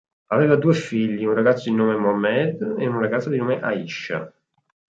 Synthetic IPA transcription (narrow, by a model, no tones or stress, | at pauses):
aveːvad̪uːefiʎːiunraɡat̪sːod̪inoːmemɔamːɛd̪eunraɡat̪sod̪inoːmeʔaiʃːa̰